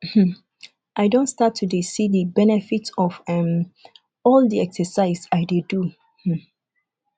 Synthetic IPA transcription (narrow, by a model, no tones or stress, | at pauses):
m̩mm̩ | ʔaɪdõntstatʰːudesidəbɛnɛfitɔvɛ̃m | ɔldiɛksəsaɪzaɪdedu | h̩